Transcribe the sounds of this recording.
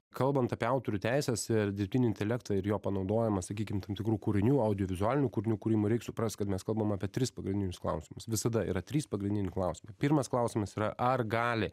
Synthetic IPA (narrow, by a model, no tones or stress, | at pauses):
kɐlˠbɐnt̪ɐpʲeːɐʊt̪oːɾʲuːt̪ʲæɪsʲɛsɪɾd̪ʲɪɾʲpʲt̪ʲɪːnʲɪɪnʲt̪ʲɛlʲɛkt̪ɐɪɾjoːpɐnɐʊd̪oːjɛmɐsɐkʲiːkʲɪmt̪ɐmt̪ʲɪkɾuːkuɾʲɪnʲuːɐʊd̪ʲɪjɔʋʲɪzʊaːlʲɪnʲuːkʊɾʲɪnʲuːkʊɾʲiːmuɾʲɛɪksʊpɾɐst̪̚ʲkɐt̪mʲɛskɐlˠbɐmɑːpʲiɛt̪ʲɾʲɪspɐɡɾʲɪndʲɪnʲɪsklˠɐ̰ʊsʲɪmɐsʋʲɪsɐd̪ɐḭːɾɐt̪ʲɾʲiːspɐɡɾʲɪnʲdʲɪnʲɪklˠɐʊsʲɪmɐɪpʲiɾmɐsklˠɑʊsʲɪmɐsiːɾɐʔɐrɡɑːlʲɪ